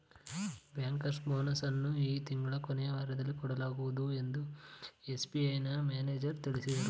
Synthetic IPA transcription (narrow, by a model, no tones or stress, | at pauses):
bjaːŋkɐɾsʈboːnɐsɐnːuiːt̪iŋɡɐɭɐkɔnɛjɐʋɐɾɐd̪ɐlːikɔɽɐlaːɡuʋud̪ue̞nd̪ue̞sbiɐjnɐmjaːneːd͡ʒɐɾt̪iɭisid̪ɐɾu